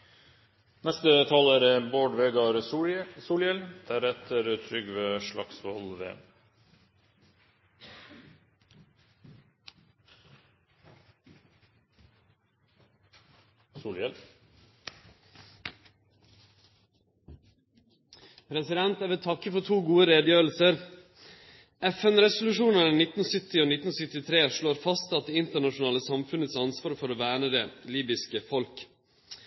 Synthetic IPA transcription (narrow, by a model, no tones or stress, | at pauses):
nɛst̪ət̪ʰɑlæːɾboːɖʋeːɡɑɾsuːlɛld̪̥æɾɛt̪ʰəɾt̪ʰɾʏɡʋeːʃɭɑ̰ksʋɔlʋḛː | suːljɛl | pʰɾɛsɪd̪ɛnt̪æːʋɛt̪ʰɑkəfɔʈʰuːɡuːəɾeːd̪jøːɾl̩səɾ | ɛfɛnɾɛsʊlʉʃuːnənnɪt̪n̩sʏt̪ɪoːnɪt̪n̩sʏt̪ɪt̪ʰɾeːʂloːɾfɑst̪ɑt̪̚d̪eːɪnt̪əɳɑʃʊnɑːləsɑmfʉnət̪sɑnsʋɑːɾfɔɾoːʋæːɳəd̪eːliːbɪskəfɔlk